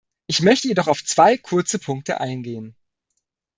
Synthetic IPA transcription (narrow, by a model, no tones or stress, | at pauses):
ʔɪçmœçtəjedɔχaʊft͡sv̥aɪkʰʊɐt͡səpʰʊŋk̚tə̰ʔaɪnɡeːən